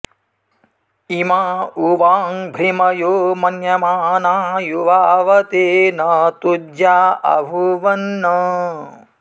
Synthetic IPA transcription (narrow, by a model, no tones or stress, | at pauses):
imauʋaːŋbʱimɐjomɐnjɐmaːnaːjuʋaːʋɐt̪enɐt̪udjaːɐ̰bʱuʋɐnːɐ